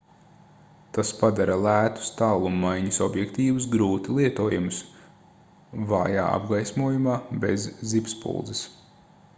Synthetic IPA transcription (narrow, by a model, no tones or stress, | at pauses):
t̪aspad̪aɾalˠæːt̪u̥st̪aːlˠumːajɲusɔbjɛkt̪iːʋus̬ɡɾuːt̪ilˠiɛt̪uɔjumʊs | va̰ːja̰ːa̰bɡajsmuɔjumaːbezːipspṵlˠd̪zis